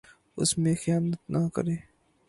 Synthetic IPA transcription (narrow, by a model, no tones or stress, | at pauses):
ʊ̰smẽxjaːnət̪nʔakɐ̰ɾeː